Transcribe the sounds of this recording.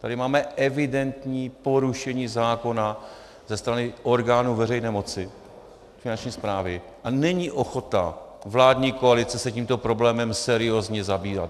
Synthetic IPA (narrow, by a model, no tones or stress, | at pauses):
t̪adɪmaːmɛʔɛvɪdɛnt̪ɲiːpo̞ɾuʃɛɲiːzaːko̞na | zɛst̪ɾanɪʔo̞ɾɡaːnuvɛrɛjnɛːmo̞t͡sɪ | fɪnant͡ʃɲiːspɾaːvɪ | ʔanɛɲiʔo̞xo̞t̪a̰ | vlaːdɲiːko̞alɪt͡sɛsɛciːmt̪o̞pɾo̞blɛːmɛmsɛɾɪo̞zɲɛzabiːva̰t̪